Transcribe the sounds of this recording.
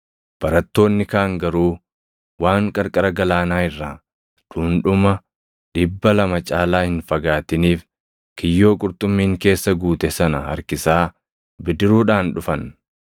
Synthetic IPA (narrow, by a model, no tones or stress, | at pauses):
b̥ɐɾɐt̪ːo̞ːnːɪkaːŋɡɐɾuː | waːŋkʼɐɾkʼɐɾɐɡɐlaːnaːɪrːaː | ᶑ̪̥ʊːnᶑʊmɐ | ᶑɪbːɐlɐmɐt͡ʃʼaːlaːhɪnfɐɡaːt̪ɪniːf | kɪjːo̞ːkʼʊɾt̪ʼʊmːiːŋke̞ːsːɐɡuːt̪ɛsɐnɐhɐ̰ɾkɪsaː | bɪd̪ɪɾuːᶑaːnᶑʊfɐn